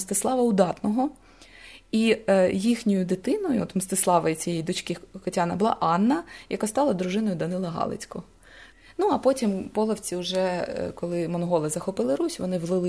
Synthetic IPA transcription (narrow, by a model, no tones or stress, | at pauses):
st̪ɪslˠɑʋɐʊd̪ɑt̪nɔɦɔ | ijixnʲɔjʊd̪ɪt̪ɪnɔjʊɔt̪mst̪ɪslˠɑʋɐjit͡sʲijɛjid̪ɔt͡ʃkɪkɔtʲɑnɐbʊlˠɑ̰ʔɑnːɐjɐkast̪ɑlˠɐd̪ɾʊʒɪnɔjʊd̪ɐnɪlˠɐɦɑ̰lˠɪ̰t͡sʲkɔ | nuɐpɔtʲimpɔlˠɐwt͡sʲiʊʒɛkɔlˠɪmɔnɦɔlˠɪzɐxɔpɪlˠɪɾusʲʋɔnɪwlˠɪlɪ